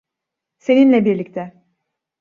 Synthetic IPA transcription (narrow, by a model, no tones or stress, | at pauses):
se̞ninlʲɛbiɾlʲict̪ʰɛ